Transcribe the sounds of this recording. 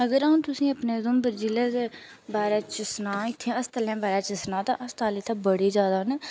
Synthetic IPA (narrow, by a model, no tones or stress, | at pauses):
əɡəɾaːũt̪ʊsĩːəpneːd̪ʊmbəɾd͡ʒiːleːze | baːɾɛːt͡ʃɪsnaːɪt̪ʰːẽːəst̪əlɛ̃ːbaːɾaːt͡ʃɪsnãːt̪ã̰ːʔəst̪aːliːt̪ʰãːbəɽiːd͡ʒjaːd̪aːne